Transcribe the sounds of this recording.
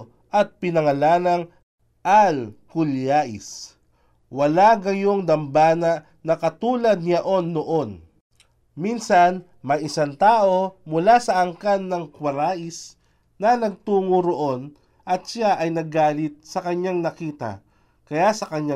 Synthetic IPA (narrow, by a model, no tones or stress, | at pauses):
ʔɐt̪̚pɪnɐŋɐlaːnɐŋ | ʔalkʊljaːʔɪ̰s | wɐlaɡɐjoŋd̪ɐmbaːnɐ | nɐkɐt̪uːlɐd̪̚nɐʔo̞nːoʔo̞n | minsɐn | mɐjʔɪsant̪aːʔo̞mʊlasɐʔɐŋkanːɐŋkwɐɾaːʔɪs | nɐnɐɡ̚t̪uːŋuɾoʔon | ʔɐt̪ʃaʔɐjnɐɡaːlɪt̪̚sɐkɐɲːaŋnɐkiːt̪ɐ̰ | kɐjasɐkɐɲa